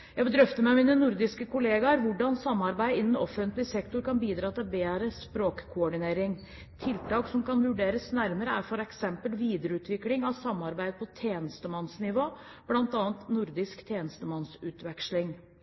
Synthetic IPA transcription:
jæɡbəd̪ɾœft̪əmɛmiːnənʊɾd̪ɪskəkʰʊleːɡɑɾʋʊɖɑnsɑmːɑɾbæɪɪnːənɔfːənt̪lɪsɛkt̪ʊɾkɑnbiːd̪ɾɑːt̪ɪlbeːɾəspɾoːkkʰʊɔɖɪneːɾɪŋ | t̪ʰɪlt̪ɑːksɔmkɑnʋʉɖeːɾəsnæɾməɾəæɾfɔɾɛksɛmpəlʋiːd̪əɾəʉːt̪ʰʋɪklɪŋɑʋsɑmːɑɾbæɪd̪əpʰɔt̪ʰjeːnəst̪əmɑnsnɪʋoːb̥lɑnt̪ɑːənt̪nʊɾd̪ɪskt̪ʰjeːnəst̪əmɑnsʉːt̪ʋɛkʂlɪŋ

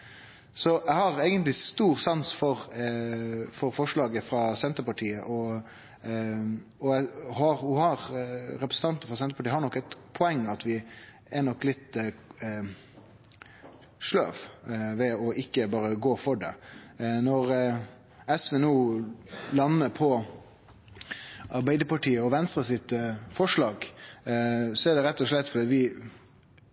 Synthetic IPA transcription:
sɔʔæɪhɑɾeːɡənt̪lɪst̪uːɾsɑnsfɔɾ | fɔɾfɔʂɭɑːɡəfɾɑsɛnt̪əɾpɑʈʰiːəʔɔ | ɔæhɑɾhʊhɑɾɾɛpɾəsn̩t̪ɑnt̪nəfɾɑsɛnt̪əpɑʈiːəhɑɾɳnɔkːɛɪt̪pʰɔɛŋːɑt̪ʋɪ | ænɔkːlɪt̪ː | ʂlø̰ːʋʋɛɔʔɪkːəbɑːɾəɡoːfɔɖɛ̰nɔɾ | ɛsʋɛːnuː | lɑnːəpʰɔ | ɑɾbæɪd̪əpɑʈiːəɔʋɛnst̪ɾəsɪt̪fɔʂɭɑːɡ | sɔɛɖɛɾɛt̪ːɔʂɭɛt̪ːfɔd̪ɛɑt̪ʋɪ

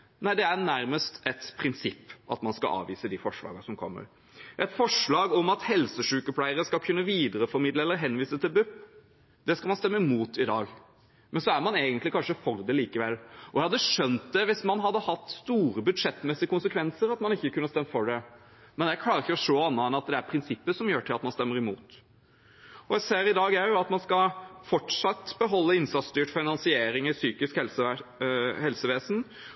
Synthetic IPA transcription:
næɪd̪ɛæɾnæɾməst̪ɛt̪pʰɾɪnsɪpːɑ̰t̪mɑnskɑ̰ɑ̰ːʋiːsəd̪ifɔʂɭɑ̰ːɡəsɔmkʰɔ̰mːə̰ɾ | ʔɛt̪fɔʂɭɑːɡɔmɑt̪hɛlsəʂʉːkəpʰlæɪəɾəskɑlkʰʉnːəʋiːd̪əɾəfɔɾmɪd̪ləɛlːəɾɦɛnʋiːsət̪ʰɪlbʉpː | d̪̥ɛskɑlmɑnst̪ɛmːəmuːt̪ɪd̪ɑːɡ | mʔɛnsɔæɾmɑneːɡənt̪lɪkɑnʂəfɔɾd̪ɛliːkəʋɛlːʔɔjæɪhɑd̪ːəʂœnt̪̚d̪ɛʋɪsmɑnɦɑd̪ːəhɑt̪ːst̪uːɾəbʉd̪ʂɛt̪ːmɛsɪəkʊnsəkʰʋɛnsəɾɑt̪mɑnɪçːəkʰʉnːəst̪ɛmːfɔɖɛ | mɛnjækʰlɑːɾɪçːəɔʂoːɑnːəɛnɑt̪̚d̪ɛæɾpʰɾɪnsɪpːəʂɔmjøːʈʰɪlɑt̪mɑnst̪ɛmːəɾɪmṵːt̪ | ɔjæɪseːɾɪd̪ɑːɡæɾjʊɑt̪mɑnskɑfɔʈʂɑt̪ːbəɦɔlːəɪnsɑt̪st̪yːʈfɪnɑnsɪeːɾɪŋɪsyːkɪskɛ | hɛlsəʋeːsən̩

